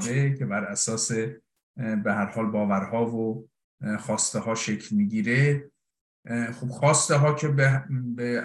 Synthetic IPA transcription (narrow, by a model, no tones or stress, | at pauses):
d̪ecʰe̞bæɾæsɒːse̞ | behæɾhɒːlbɒːvæɾhɒːvo | xɒːst̪eɦɒːʃecʰlmiːɟiːɾe | xob̥xɒːst̪eɦɒːcʰe̞bebe